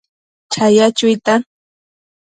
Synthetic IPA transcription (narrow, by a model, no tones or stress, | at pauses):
t͡ʃajat͡ʃʊjt̪a